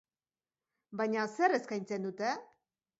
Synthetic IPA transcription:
baɲaseɾeskajnt͡send̪ut̪e

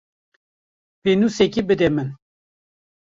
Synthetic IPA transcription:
penusɛkibɨd̪ɛmɨn

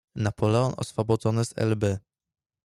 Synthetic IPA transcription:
napʰɔlɛɔnɔ̰sfɔbɔd̪zɔnɘzɛ̰lbɘ

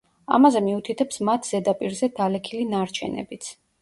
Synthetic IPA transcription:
a̰mazɛmiut̪ʰit̪ʰɛpsmat̪ʰz̥ɛd̪apʼiɾzɛd̪ʰalɛkʰilinaɾt͡ʃʰɛ̰nɛ̰bit̪sʰ

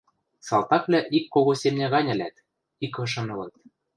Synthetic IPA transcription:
sɑlˠt̪ɑklʲæʔikːoɣosʲemnʲæɣɑnʲɘ̆læt̪ | ikɤ̆ʃɤ̆nɤ̆lɤ̆t̪̚

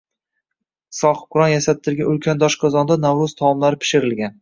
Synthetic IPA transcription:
sɒχʊ̥qʰʊɾɒnjasat̪ʰːɪɾɡʲanʊlkʲʰand̪ɒʃqʰɒzɒnd̪anawɾʊz̥t̪ʰɒmlaɾɪpʰɪ̥ʃɪɾɪlɡʲan

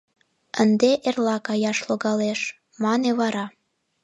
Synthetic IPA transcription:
ənd̪eʔerlɑkɑjɑʃloɣɑleʃ | mɑneβɑɾɑ

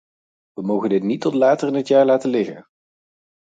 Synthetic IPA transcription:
ʋəmowχəndɪtnitɔtlaːtərɪnətjaːɹlaːtəlɪχə̰n

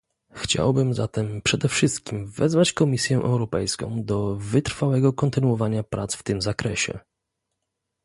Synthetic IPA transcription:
xt͡ɕa̰wbɘmzat̪ɛmpʂɛd̪ɛfʂɘst̪̚kʲimvɛzvat͡ɕkɔmʲisʲjɛʔɛ̰wɾɔpɛjskɔ̰̃w̃d̪ɔvɘt̪ɾfawɛɡɔkɔnt̪ɘnuwɔvaɲapɾʔat̪sft̪ɘmzakɾɛɕɛ̰

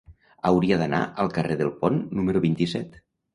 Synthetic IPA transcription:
əwɾiəðəna̰ʔəlˠkəreðəlˠpɔnːuməɾuβint̪isɛt̪

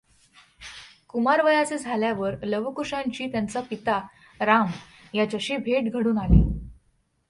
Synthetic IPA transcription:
kumaɾʋəjat͡sed͡zʱaljaʋəɾləʋkuɾʂãɲt͡ɕiːt̪jant͡sapit̪a | ɾam | jat͡ɕaɕiːbʱeʈɡʱəɽuːnalḛ

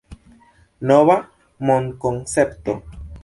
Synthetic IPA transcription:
noβa | moŋkoŋsept̪o

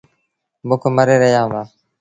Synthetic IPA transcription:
mʊkʰməɾeːɾəɦjãːʋaː

